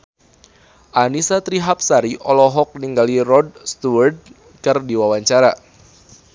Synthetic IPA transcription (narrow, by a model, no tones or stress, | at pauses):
ʔanisat̪ɾiɦap̚saɾiʔɔlɔɦɔk̚niŋɡalirɔd̚st̪uərd̚ | kɨrdiwawaɲt͡ʃaɾa